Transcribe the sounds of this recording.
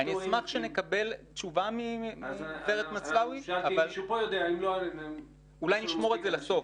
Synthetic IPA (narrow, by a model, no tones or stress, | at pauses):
anizmaχʃene̞kabe̞l | t͡ʃuvamimifeʁet̪mat͡slawiaavalʃupojod̪eaimloalen | ulajniʃmo̞ʁezelaso̞f